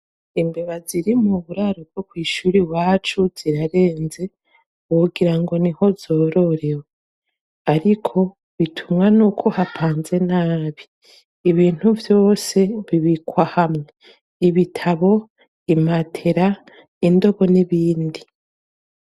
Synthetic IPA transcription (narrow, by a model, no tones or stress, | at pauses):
imbeβaziɾimuβuɾaɾob̚ɡ̥o̞kwiːʃuːɾiwaːt͡ʃuz̥iɾaɾe̞ːnze̞ | uɡiɾaŋɡo̞niho̞zo̞ːɾo̞ɾe̞we | aɾikʰo̞ | βitʰumŋanukʰo̞hapʰaːnze̞naːβiː | βiːn̥huvjo̞ːse̞βiβikwahamŋe̞ | iβitʰaβo̞ | imatʰe̞ɾa | indo̞βo̞niβiːndi